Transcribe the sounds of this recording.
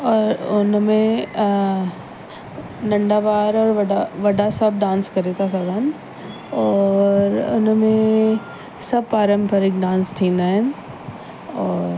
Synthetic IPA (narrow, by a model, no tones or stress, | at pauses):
ɔːɾʊnmẽ | nɐ̃ɳɖaʋaːɾɔːɾʋɐɖaʋɐɖasɐb̚ʱɖãːnskɐɾet̪ʰas̬aːɡaːn | ɔːɾʊ̰nmẽ | sɐb̚paːɾə̃mpəɾɪkɖãːnst̪ʰĩːnd̪aːɦɪnɪ̆ | ɔːɾ